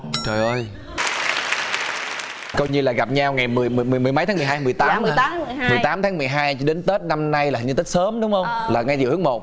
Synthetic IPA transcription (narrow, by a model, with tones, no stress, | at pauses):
t͡ɕəː˨˩jʔəː˧j | kɔ˧jɲɨ˧laː˨˩ɣa˨˩p̚ɲa˧wŋa˨˩jmɨ˨˩əjmɨ˨˩jmɨ˨˩əm˨˩jma˨˦jt̪aː˨˦m˨˩ɦaː˧jmɨ˨˩əjt̪aː˨˦mː˩˧˨mɨ˨˩t̪aː˨˦mt̪ʰaː˨˦ŋmɨ˨˩əjɦaː˧jt͡ɕɔ˧ɗe˨˦nt̪e˦˥t̚na˧mna˧jlaː˨˩˨t̪i˦˥k̚səː˨˦mɗʊ˨˦ŋ͡mhə˧wŋ͡mlaː˨˩ŋa˧jzḭ˧˨whɨ˨˦˥k̚mo˨˩t̚